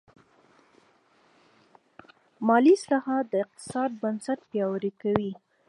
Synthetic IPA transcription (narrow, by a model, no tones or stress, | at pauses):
mɑlislɑhɑt̪̚d̪əɪq̚t̪ɪ̥sɑd̪̚bansat̪̚pjɑwəɾikawi